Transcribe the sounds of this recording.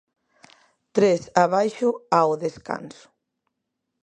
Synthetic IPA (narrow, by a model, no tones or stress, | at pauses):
t̪ɾesaβajʃuawðeska̰nsu̥